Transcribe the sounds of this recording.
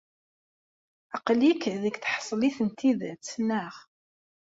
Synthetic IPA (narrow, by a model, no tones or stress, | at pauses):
ɑqlikðəkθħsˤliθənt̪iðt͡sːnːəʁ